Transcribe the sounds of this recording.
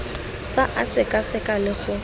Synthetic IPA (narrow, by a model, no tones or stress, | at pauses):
faʔasɪkʼasɪkʼalɪχʊ